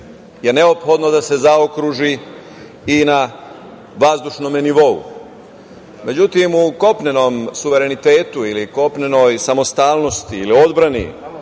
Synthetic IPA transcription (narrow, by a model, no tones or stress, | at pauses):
jene̞o̞pxo̞d̪nod̪ase̞zaokɾuʒi | ina | ʋazd̪uʃno̞meniʋo̞ṵ | me̞d͡ʑut̪imuko̞pne̞no̞msuʋe̞ɾe̞nit̪eːt̪uiliko̞pne̞no̞jsamo̞st̪aːlno̞st̪iilio̞d̪bɾanḭ